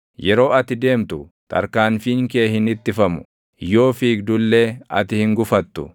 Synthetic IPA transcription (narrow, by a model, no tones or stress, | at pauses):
jɛɾo̞ːɐt̪ɪd̪e̞ːmt̪ʊ | t̪ʰʼɐ̰ɾkaːnfiŋkeːhɪnɪt̪ːɪfɐmʊ | jo̞ːfiːk̚d̪ʊlːeːɐ̰t̪ɪhɪŋɡʊfɐt̪ːʊ